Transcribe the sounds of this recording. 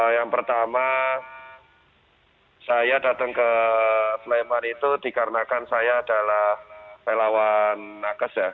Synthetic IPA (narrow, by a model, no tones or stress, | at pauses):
jaŋpərt̪ama | sajadat̪əŋkə | slemanit̪udikaɾənakansajaːdalahpelawanːakəsja